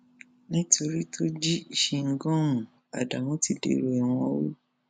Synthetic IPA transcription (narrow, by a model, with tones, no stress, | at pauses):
nĩ˦tʰo˧ɾi˦tʰo˦d͡ʒi˦i˨ʃe˧ŋ̩˦ɡɔ̃˦ũ˨ | a̰˨da˨mɔ̃˦ti˦dḛ˧˦ɾo˨ɛ˨w̃ɔ̃˧˦wo˦